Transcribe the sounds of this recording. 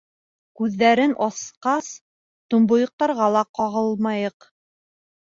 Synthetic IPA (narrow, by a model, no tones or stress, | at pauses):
kʉðːæɾɘnʔɑsqɑs | t̪ŏmbŏjɤ̆q̚t̪ɑɾʁɑlˠɑqɑʁɤlˠmɑjɤq